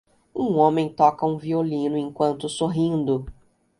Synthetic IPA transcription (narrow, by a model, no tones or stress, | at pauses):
ũõmẽj̃t̪ɔkɐũviolĩnʊẽkwɐ̃nt̪ʊsoɦĩd̪ʊ